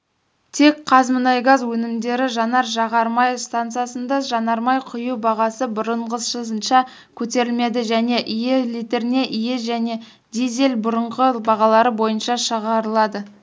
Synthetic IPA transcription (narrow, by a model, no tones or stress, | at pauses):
t̪ʰe̞k̚qʰɑzmənɑjɡɑzwɵnɪmd̪e̞ɾɪʒɑnɑɾʒɑʁɑɾmɑjst̪ant̪sɨjasənd̪ɑʒɑnɑɾmɑjqʰʊjuwbɑʁɑsəbʊɾəɴʁəsʃəzənʃɑ | kʲʰɵt̪e̞ɾɪlme̞d̪ɪʒæne̞ʔijelit̪e̞ɾɪne̞ʔijeʒæne̞ | d̪izʲelbʊɾəɴʁəbɑʁɑlˠɑɾəbo̞jənʃɑʃəʁɑɾəlˠɑd̪ə